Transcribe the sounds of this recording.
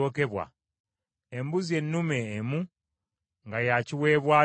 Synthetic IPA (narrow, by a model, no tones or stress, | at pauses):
oːke̞βwa̰ | embuzie̞nːume̞ːmu | ŋɡajaciwe̞ːβwaː